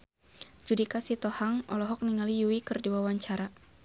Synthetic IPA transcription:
d͡ʒudikasit̪ɔhaŋɔ̰lɔɦɔk̚niŋalijuwikɨrdiwawaɲt͡ʃaɾa

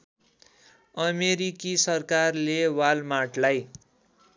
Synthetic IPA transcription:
ʌmeɾikisʌrkarlewalmaʈlaj

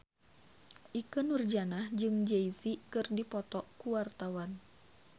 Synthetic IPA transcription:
ʔikɨnurd͡ʒanahd͡ʒɨŋd͡ʒeisikɨrdipɔt̪ɔʔkuwart̪awan

